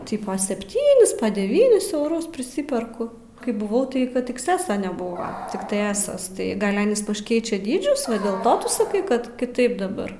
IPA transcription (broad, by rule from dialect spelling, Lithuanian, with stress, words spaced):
ˈtʲɪpoː sʲɛpʲˈtʲiːnʲɪs dʲɛˈʋʲiːnʲɪs ɛʊˈrʊs pʲrʲɪˈsʲɪpʲɛrkʊ kɐɪ bʊˈʋɐʊ tɐɪ kɐt ɪksʲˈæːsoː nʲɛˈbʊʋoː tʲɪkˈtɐɪ ˈæːsɐs tɐɪ ˈɡɐlʲ ˈɑːnʲiːs pɐʃ ˈkʲɛɪt͡ʃʲɛ ˈdʲiːd͡ʒʲʊs ʋɐ dʲeːlˠ ˈtoː tʊ sɐˈkɐɪ ˈkɐt kʲɪˈtɐɪp dɐˈbɐr